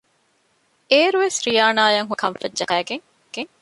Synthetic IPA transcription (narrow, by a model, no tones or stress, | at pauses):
eːɾuʋesɾijaːnaːjɐŋɦukʰɐmfɐdʒɐkæːɡeŋ | ɡ̥eŋ